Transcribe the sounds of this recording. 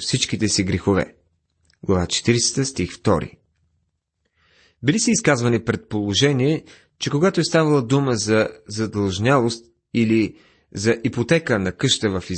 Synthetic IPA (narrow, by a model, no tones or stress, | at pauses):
fsit͡ʃkit̪ɛsiɡɾɛxovɛ̰ | ɡlˠɐvat͡ʃɛ̥t̪iɾsɛ̥t̪əst̪ixft̪ɔ̰ɾḭ | bilisɛiskazvɐnipɾɛt̪̚polˠoʒɛniɛ | t͡ʃɛkoɡat̪oɛst̪avɐlˠəd̪uməzɐzɐd̪ɐlˠʒnʲjalˠost̪ | ili | zɐʔipot̪ɛkənɐkɤʃt̪əvəfiz